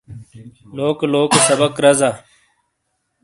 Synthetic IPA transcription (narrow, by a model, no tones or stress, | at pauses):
loːkloːksɐbəkɾɐzaː